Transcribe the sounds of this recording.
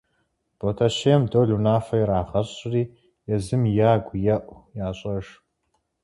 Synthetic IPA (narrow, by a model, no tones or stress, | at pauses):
b̥otʰɐʃeːmdoːɮunaːfɐjɛɾaːʁɐɕʼriː | jɛzɨmjaːɡʷjɛʔʷjaːɕʼɐʂ